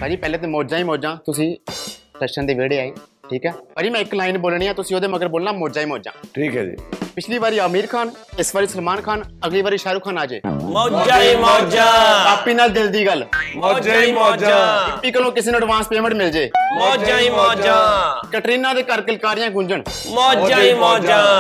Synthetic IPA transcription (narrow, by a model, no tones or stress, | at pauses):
baːd͡ʒiːpɛːleːt̪eːmoːd͡ʒãːiːmõːd͡ʒãːt̪ʊsĩːtəʃənd̪eːʋeːɽeːaːeːʈʰiːkɦɛːpaːd͡ʒiːmɛ̃ːɪklaːɪnboːlɳĩːaːt̪ʊsĩːoːd̪eːməɡəɾəboːlnãːmoːd͡ʒaːiːmõːd͡ʒã̰ːʈʰiːkɦɛ̰ːd͡ʒḭpɪt͡ʃʰliːʋaːɾiːaːmiːɾkʰaːnɪsʋaːɾiːsəlmaːnkʰaːnəɡliːʋaːɾiːʃaːɾuːkʰaːnaːd͡ʒḛːmod͡ʒaːmod͡ʒaaːpiːnaːld̪ɪld̪iːɡəlmoːd͡ʒmod͡ʒaːɪpːiːkəlõːkɪseːnoːəɖʋãːnspeːmə̃ɳʈmɪld͡ʒeːmod͡ʒaːioːd͡ʒd͡ʒakəʈɾiːnãːd̪eːkəɾkəlkaːɾɪjãːɡʊ̃ɲd͡ʒəɳmoːd͡ʒimod͡ʒa